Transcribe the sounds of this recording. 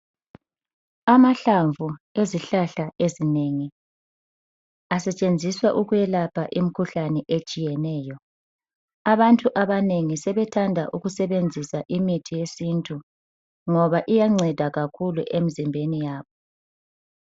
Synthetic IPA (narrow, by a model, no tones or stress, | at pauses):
amaɬaɱvʱueziɬaɬaʔezineŋi | asɛt͡ʃʼend͡zʱiswaʔuɣujɛlapʰaʔim̩kʰuɬanɛʔet͡ʃʼijɛnɛːjɔ | aβantʼuʔaβaneŋisɛβɛtʰandʱa̰ʔuɣusɛβend͡zʱisaʔimitʰijesintʼu | ŋɔβaʔijaŋ͡ǀɛd̥ʱaɣakʰulṵʔemizimbʱenijaːβɔ